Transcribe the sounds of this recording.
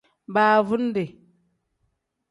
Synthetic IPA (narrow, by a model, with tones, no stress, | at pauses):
baː˦vu˦n˦de˨